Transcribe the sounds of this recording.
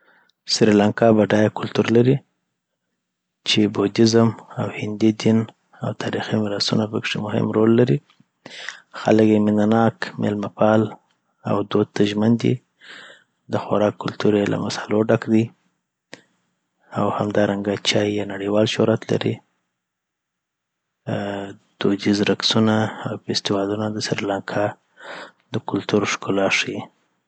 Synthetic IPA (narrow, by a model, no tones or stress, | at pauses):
sɾilaŋkɑbaɖɑjakʊlt̪uɾlaɾi | t͡ʃebod̪ɪzəmawhɪnd̪id̪in | a̰wt̪ʰɑɾiximɪɾasunapəkʂemʊhɪ̰mɾolːaɾi | xa̰ləkjemɪnanɑkmḛlmapɑl | a̰wd̪od̪̚t̪aʒmand̪ḭ | d̪əxʊɾɑkːʊlt̪uɾelʔa̰masaloɖakd̪i | awhamd̪ɑɾaŋɡat͡ʃɑjjɑnaɽiwɑlʃoɾat̪la̰ɾi | d̪̥od͡ʒizɾaksunaːwfɪst̪ɪwɑd̪unad̪əsɪɾlaŋkʰɑ | d̪əkʊlt̪uɾʃkʊlɑʂji